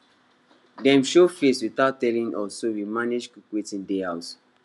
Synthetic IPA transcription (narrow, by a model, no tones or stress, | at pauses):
dɛ̃mʃofeswiθaʊtːɛlĩnʔɔ̰sowimaned͡ʒkukwetĩndeaʊt